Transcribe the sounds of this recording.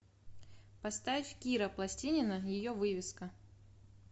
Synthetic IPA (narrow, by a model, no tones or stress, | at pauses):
pɐst̪avʲɪfʲkʲiɾəplˠɐsʲtʲinʲɪnəjɪjovɨvʲɪskə